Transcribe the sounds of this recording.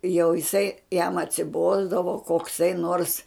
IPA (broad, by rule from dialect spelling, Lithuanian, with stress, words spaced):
jɛʊ jɪˈsɐɪ jɛm ɐtʲsʲɪˈboːzdɐʋoː koːkˈsɐɪ noːrs